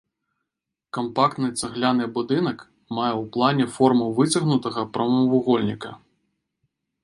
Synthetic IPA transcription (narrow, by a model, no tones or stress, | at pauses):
kɐmpak̚t̪nɨt̪sɐɣlʲanɨbud̪ɨnɐk | majɛwplˠanʲɛfɔrmuvɨt͡sʲɐɣnut̪ɐɣɐpɾɐmɐvuɣɔlʲnʲikɐ